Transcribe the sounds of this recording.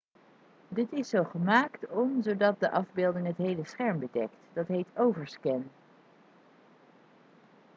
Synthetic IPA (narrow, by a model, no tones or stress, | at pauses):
dɪtɪsowχəmaːktɔmzowdɑt̚dəʔɑvbɪːlˠdɪŋɦətɦejləsχɛɹmbədɛktd̥ɑtɦejtowvəɹskɛn